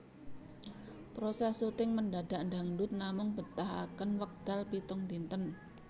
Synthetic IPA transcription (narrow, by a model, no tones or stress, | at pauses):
pɾosɛsut̪ɪŋmənɖaɖ̥aʔɳɖaŋdʊt̪̚namʊŋb̥ət̪aɦa̰kənwək̚d̪̥alpit̪ʊŋd̪int̪ən